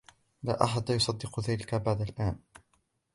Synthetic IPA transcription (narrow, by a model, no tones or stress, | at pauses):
la̰ːʔaħad̪jʊsˤɑd̪ːɪqʊðaːlɪkabaʕd̪alʔaːn